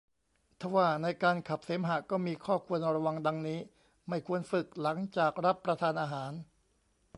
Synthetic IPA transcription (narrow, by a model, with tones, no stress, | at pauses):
t̪ʰa˧˩waː˥˩na˧jkaː˧nkʰa˨˩p̚seː˩˦mɦa˨˩˦kɔː˥˩miː˧kʰɔː˥˩kʰu˧ənɾa˧wa˧ŋda˧ŋniː˦˥ | ma˥˩jkʰu˧ənfɯ˨˩k̚la˩˦ŋt͡ɕaː˨˩k̚ɾa˦˥pːɾa˧t̪ʰaː˧nʔaː˧ɦaː˩˦n